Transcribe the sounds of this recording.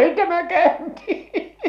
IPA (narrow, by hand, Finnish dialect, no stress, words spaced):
tæmæ kæˑy̞nti